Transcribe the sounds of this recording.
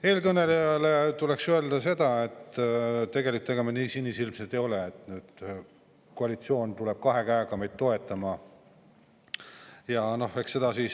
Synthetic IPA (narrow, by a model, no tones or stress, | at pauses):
e̞ːlkɤne̞lejɑlet̪ule̞ksye̞ld̪̥ɑse̞d̪̥ɑe̞t̪ːt̪e̞ɡe̞likut̪ːeɡ̥emeniːsinʲːisilmset̪ejo̞leet̪nyːd̪̥ | koɑlit̪sio̞ːnt̪uleb̥̚kɑɦe̞kæeɡ̥ɑme̞jd̪̚t̪ːo̞e̞t̪ːˑɑmɑ | jɑno̞he̞kse̞d̪̥ɑsiːs